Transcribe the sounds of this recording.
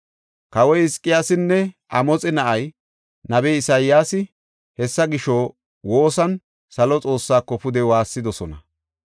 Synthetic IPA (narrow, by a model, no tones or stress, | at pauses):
kɐwɔjɪskʼːɪjaːsɪnːɛʔɐmɔt͡sʼɛnɐʔɐj | nɐbɛːɪsajɪjaːsɪ | hɛsːɐɡɪʃɔː | woːsɐn | sɐlɔt͡sʼo̞ːsːaːkːɔpʊd̪ɛwaːsːɪd̪ɔsɔnɐ